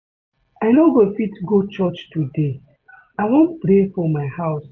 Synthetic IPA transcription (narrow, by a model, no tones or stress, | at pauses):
aɪnoɡofitɡot͡ʃɔt͡ʃtude | aɪwõnpɾefɔmaɪhaʊs